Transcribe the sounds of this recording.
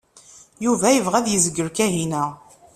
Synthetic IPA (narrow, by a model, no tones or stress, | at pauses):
juvæjəvʁæðjəzəɡːəɾkæɦinæ